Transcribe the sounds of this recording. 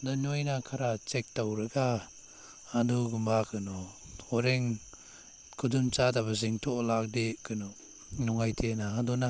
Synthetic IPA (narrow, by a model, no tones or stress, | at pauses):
danɔjnakʰaɾat͡ʃek̚tawɾɯɡa | haduɡumbakʰɯnɔ | ɔɾeŋ | kʰudumt͡ʃadabaziŋtʰɔlak̚dekɯnɔ | nɔŋajtʰenaɦadɔna